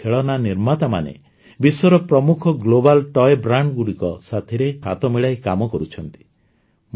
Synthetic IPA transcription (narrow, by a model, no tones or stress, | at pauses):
eɭɔnaniɾmat̪ama̰nḛ | bisɔɾɔpɾɔmukʰɔɡlobalʈɔebɾaɳɖɡuɽikɔsat̪ʰiɾekʰa̰t̪ɔmiɭajkamɔkɔɾut͡ʃʰɔnt̪i̥ | m